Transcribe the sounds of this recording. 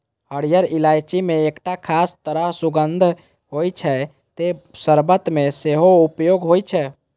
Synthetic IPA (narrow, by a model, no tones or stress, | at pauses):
ɦəɽijəɾilajt͡ʃimeːkʈakʰast̪əɾəɦsuɡənd̪ʱ | ɦojt͡ʃʰɛ | t̪esəɾbət̪meseɦoupjoɡɦojt͡ʃʰɛ